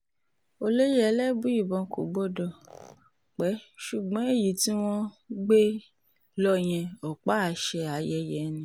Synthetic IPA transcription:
o˧le˦jɛ˦ɛ˧˦lɛ˦bu˦i˦˨bɔ̃˧ko̰˨ɡ͡bɔ˦dɔ˧˨ | k͡pɛ˨˦ʃu˨ɡ͡bɔ̃˨˦e˦˨ji˨ti˦w̃ɔ̃˦ | ɡ͡be˦ | lɔ˦j̃ɛ̃˧ɔ˨k͡pa˦˨ʃɛ˧a˨jɛ˧jɛ˨nĩ˧

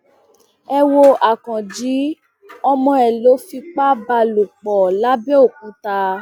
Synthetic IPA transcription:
ɛ˧wo˧a˨kɔ̃˨d͡ʒi˨˦ | ɔ˧mɔ̃˧ɛ˨lo˨˦fi˧k͡pa˦ba˧lu˨k͡pɔ˨la˨˦bɛ˦o˦˨kũ˨˦ta˧

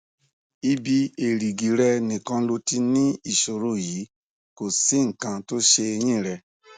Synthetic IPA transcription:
i˦bi˦e˨ɾi˨ɡi˨ɾɛ˧nĩ˨kã˧lo˧ti˧nĩ˦i˨ʃo˨ɾo˦ji˨˦ | ko˨si˨˦ŋ̩˨kã˧to˦ʃe˧e˧j̃ĩ˦˨ɾɛ˧

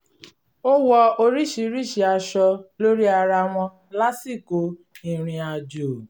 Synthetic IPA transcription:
o˦wɔ˧o˧ɾi˦ʃi˧˦ɾi˦˨ʃi˧a˧ʃɔ˧lo˦ɾi˦a˧ɾa˧w̃ɔ̃˧ | la˦si˦˨ko˨˦ | ĩ˦˨ɾ̃ĩ˧a˧d͡ʒo˨

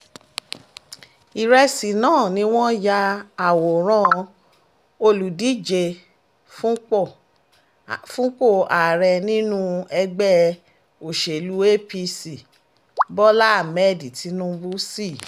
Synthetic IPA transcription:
i˨ɾɛ˧si˨nãː˦˨nĩ˧˦w̃ɔ̃˦ja˧˦a˨wo˨ɾ̃ã˧˦˧ | o˧lu˨di˨˦d͡ʒe˧˦ | fũ˦k͡po˦˨a˨ɾɛ˧nĩ˦nũ˦ɛ˧ɡ͡bɛ˦ | o˨ʃe˨lu˨˦e˦pi˧si˨ | bɔ˦la˦a˦˨mɛ˦di˨ti˨˦nũ˦bu˦si˦˨

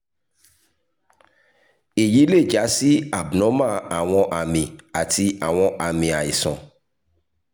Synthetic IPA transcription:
e˨ji˨˦le˦˨d͡ʒa˨˦si˦a˨bnɔ̃˨˦mã˦˨a˨w̃ɔ̃˧ʔa˨mĩ˨a˨tʰi˧a˨w̃ɔ̃˧ʔa˨mĩ˨a˨i˨sɔ̰̃˨

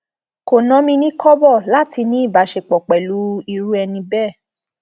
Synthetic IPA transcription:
ko˨nɔ̃˨˦mĩ˧nĩ˦kɔ˦bɔ˦˨la˦ti˧nĩ˦i˦˨ba˨˦ʃe˧k͡pɔ˨k͡pɛ˨lu˨˦i˧ɾu˦ɛ˧nĩ˧bɛ˦˨

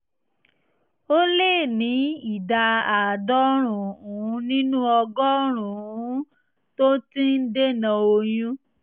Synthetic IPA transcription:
o˦le˦˨nĩ˨˦i˨da˧a˨dɔ˦ɾ̃ũ˨ũ˨˦nĩ˦nũ˦ɔ˧ɡɔ˦ɾ̃ũ˨ũ˨˦ | to˦tĩ˦n̩˦de˦˨nã˧o˧jũ˦

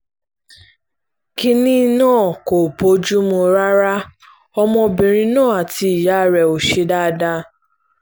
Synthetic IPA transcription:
ki˦ni˦nãː˦˨ko˨po˦d͡ʒu˦mũ˧ɾa˦ɾa˦ | ɔ˦mɔ̃˧bi˨ɾĩ˧˦nãː˦˨a˨ti˧i˨ja˦˨ɾɛ˨o˨ʃi˦da˦˨da˦

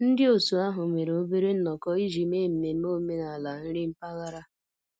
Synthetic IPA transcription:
n̩˦dɪ˦o˨su˨a˦ɦʊ˨me˨ɾo˦be˦ɾe˦n̩˦nɔ˨kɔ˦i˦d͡ʒi˨me˦m̩˨me˨˦mo˦me˦na˨la˨n̩˦ɾɪ˦m̩˦pa˦ɣa˦ɾa˦

